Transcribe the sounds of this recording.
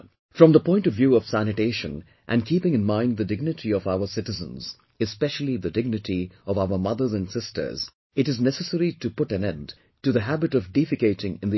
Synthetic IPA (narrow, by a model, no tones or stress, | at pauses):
fɹʌ̃mðəpɔ̃ɪ̃ntʌvjuʌv̥sænɨteɪʃə̰̃n | ʔæ̰̃nkʰipɪ̃ŋɨ̃nmãɪ̃ndðɨdɪɡ̚nɨtʰiʌvaʊə˞sɪɾɨzə̰̃nz̥ | ɨspɛʃl̩ˠiðɨdɪɡ̚nɨtiʌvaʊə˞mʌðə˞zɨ̃nsɪstə̰˞z̥ | ɨɾɨznɛsəsɛɾitɨpʊɾæ̃nɛ̃nd | tɨðəɦæbɨɾʌvdifɨkeɪɾɪ̃ŋɨ̃nði